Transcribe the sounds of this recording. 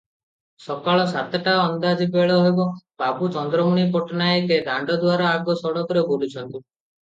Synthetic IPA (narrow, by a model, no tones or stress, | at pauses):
sɔkaɭɔsat̪ɔʈaɔnd̪ad͡ʒibeɭɔɦebɔbabut͡ʃɔnd̪ɾɔmuɽ̃ipɔʈɔnaeked̪aɳɖɔd̪uwaɾɔaɡɔsɔɽɔkɔɾeboɽut͡ʃʰɔnt̪u